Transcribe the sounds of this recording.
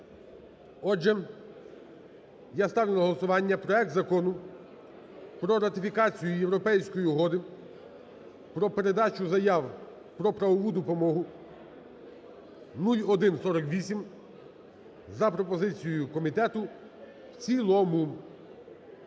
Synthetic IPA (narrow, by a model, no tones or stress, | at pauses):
ɔd͡ʒɛ | jast̪ɑʋɪnɐɦɔlˠɔsʊʋɑnʲːɐpɾɔɛk̚t̪zɐkɔnʊ | pɾɔɾɐt̪ɪfʲikɑt͡sʲijʊjewɾɔpɛjsʲkɔjiɦɔd̪ɪ | pɾɔpe̞ɾe̞d̪ɑt͡ʃʊzɐjɑw | pɾɔpɾɐʋɔʋud̪ɔpɔmɔɦʊ | nulʲɔd̪ɪnsɔɾɔkʋʲisʲim | zɐpɾɔpɔzɪt͡sʲijʊkɔmʲit̪ɛt̪ʊ | wt͡sʲilˠɔmʊ